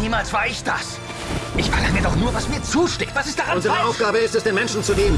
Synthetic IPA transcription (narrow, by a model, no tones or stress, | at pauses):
niːmaːlsv̥aɐɪçd̥as | ʔɪçfalaədɔχnuːɐvasmiːɐt͡suːʃtɛːk̚tv̥asɪstd̥aːʁaʊnzəʁəʔaʊfɡ̥aːbəɪstɛsd̥eːnmɛnʃn̩t͡suleːbn̩